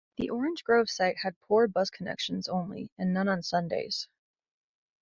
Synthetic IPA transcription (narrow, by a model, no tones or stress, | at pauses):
ðiʔɔɹɨ̃nd͡ʒɡɹoʊv̥saɪt̚hɨd̚pʰuɹbʌz̥kʰənɛ̰kʃɨ̃n̩zõʊ̃nlḭɨ̃nːʌ̃nə̃nsʌ̃ndḛɪz̥